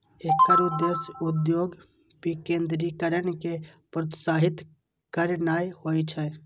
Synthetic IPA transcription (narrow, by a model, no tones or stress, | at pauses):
ekːəɾʊd̪esʊd̪joːɡ | pikẽːnd̪ɾikəɾənkepɾət̪saːɦɪt̪ | kəɾnaːjhoːit͡ʃʰɛ